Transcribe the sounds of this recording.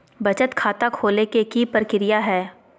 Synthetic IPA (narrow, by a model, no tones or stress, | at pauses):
bɐt͡ʃət̪kʰaːt̪akʰoːlekekipəɾkɪɾɪjaɦɛː